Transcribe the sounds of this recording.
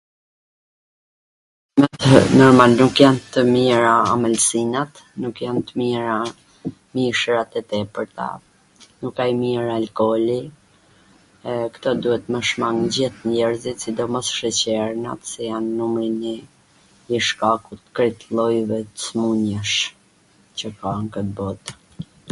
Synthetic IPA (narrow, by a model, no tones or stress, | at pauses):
mɛt̪nɔɾmalnukjant̪əmiɾaamɛlsinat̪ | nukjant̪əmiɾa | miʃɾat̪ɛt̪ɛpəɾt̪a̰ | nukːajmiɾaːlkɔli | ɛkt̪ɔd̪uhɛt̪məʃmaŋd͡ʑiht̪nɛɾzit̪sid̪ɔmɔsʃət͡ɕɛɾna̰t̪sɛjanːumɾinɛ | iʃkakut̪̚kɾit̪lˠɔjvɛt̪ə̥smuɲəʃ | t͡ɕəkaŋkət̪̚bɔt̪